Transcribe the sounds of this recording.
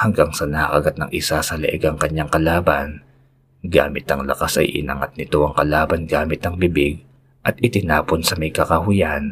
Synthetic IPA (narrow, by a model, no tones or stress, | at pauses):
hɐŋɡaŋsɐnɐhakɐɡat̪̚nɐŋʔɪsasɐlɐ̰ʔɛɡɐŋkɐɲːaŋkɐlaːbɐn | ɡa̰ːmɪt̪ɐŋlɐ̰kasɐ̰jʔɪ̰nɐ̰ŋat̪̚nɪt̪o̞ʔɐŋkɐlaːbɐnɡaːmɪt̪ɐŋbɪbɪɡ̚ | ʔɐt̪̚ʔɪt̪ɪnaːponsɐmɐjkɐkɐɦʊjan